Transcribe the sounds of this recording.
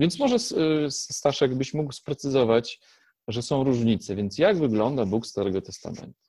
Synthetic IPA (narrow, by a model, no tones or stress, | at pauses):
vʲjɛnt̪smɔʐɛsst̪aʂjaɡbɘɕmukwspɾɛt̪sɘzɔvat͡ɕ | ʐɛsɔ̃w̃ɾuʐɲit̪sɛvʲjɛnt̪sjaɡvɘɡlɔnd̪abukst̪aɾɛɡɔt̪ɛst̪a̰mɛ̰nt̪u̥